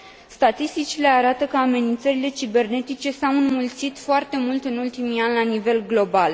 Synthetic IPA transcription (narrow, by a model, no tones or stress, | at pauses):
st̪at̪ist̪it͡ʃile̞aɾat̪əkəame̞nint̪səɾile̞t͡ʃibe̞rne̞t̪it͡ʃe̞sawɨnmult̪sit̪foart̪e̞mult̪ɨnult̪imianʲlanive̞lɡlo̞bal